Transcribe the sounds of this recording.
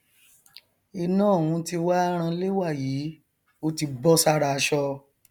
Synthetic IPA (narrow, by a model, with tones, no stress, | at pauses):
i˧nãː˦˨wũ˧ti˧wa˦ɾ̃ã˧le˦wa˦˨jiː˨˦ | o˧ti˧bɔ˦sa˧ɾa˧ʃɔ˧